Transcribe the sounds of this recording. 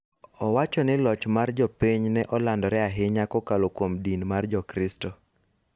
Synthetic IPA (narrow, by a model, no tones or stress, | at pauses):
ɔwat͡ʃɔnɪlɔt͡ʃmard͡ʒɔpiɲnɛʔɔlandɔɾɛaɦɪɲakɔkalokwomdinmard͡ʒɔkɾɪstɔ